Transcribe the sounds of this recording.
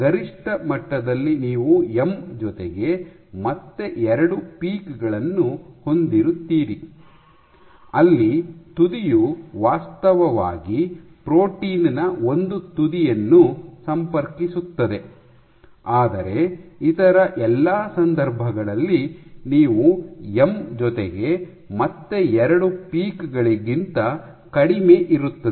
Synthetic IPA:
ɡɐɾiʂʈɐmɐʈːɐd̪ɐlːiniːʋuemd͡ʒɔt̪eɡe̞ | mɐt̪ːe̞ʔɛɾɐɽupiːkɡɐɭɐnːuho̞nd̪iɾut̪ːiːɾi | ɐlːit̪ud̪ijuʋaːst̪ɐʋɐʋa̰ːɡipɾo̞ːʈiːnnɐo̞nd̪ut̪ud̪ijɐnːusɐmpɐɾkisut̪ːɐd̪e̞ | aːd̪ɐɾe̞it̪ɐɾɐʔɛlːaːsɐnd̪ɐɾbʱɐɡɐɭɐlːiniːʋuemd͡ʒɔt̪eɡe̞ | mɐt̪ːe̞ɛɾɐɽupiːkɡɐɭiɡint̪ɐ | kɐɽimeːʔiɾut̪ːɐe

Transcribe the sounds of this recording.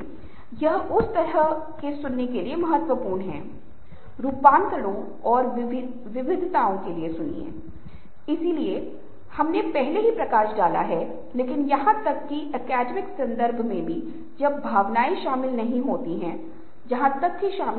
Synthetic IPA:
jɐɦʊst̪ɐɾə | kesʊnːekeliemɐɦət̪wəpuːɾɳɦɛ̰̃ː | ɾuːpãːnt̪əɽõ | ɔːɾ | ʋɪʋɪd̪ʱt̪aːõkeliesʊnḭḛ̃ː | ɪsilie | hɐmnepɛɦleɦipɾɐkaːʃɖaːla̰ɦɛ | leːkɪnjɐɦãt̪ɐkːiʔɛkɛːɖmɪksɐ̃nd̪əɾbʱmẽbʱi | d͡ʒɐbbʱaːʋnaːiʃaːmɪlnɐɦĩɦoːt̪iɦɛ̃ | d͡ʒɐɦãt̪ɐkɦiʃaːm

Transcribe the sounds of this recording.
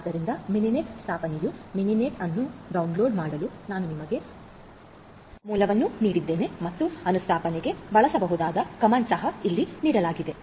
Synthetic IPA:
aːd̪ːɐɾind̪ɐminineːʈst̪ʰaːpɐnejuminineːʈɐnːuɖɐwunlo̞ːɖmaːɽɐlunaːnunimɐɡe̞ | muːlɐʋɐnːuniːɽid̪ːe̞ːne̞mɐt̪ːuɐnust̪ʰaːpɐneɡe̞bɐɭɐsɐbɐɦud̪aːd̪ɐkɐmansɐɦɐilːiniːɽɐlaːɡid̪e̞

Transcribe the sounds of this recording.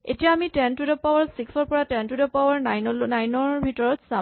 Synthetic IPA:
etijaːmitɛntudɔpawaɹsiksɔɹpɔɹatɛntudɔpawaɹnajnajnɔɹbʱitɔɹɔtsa

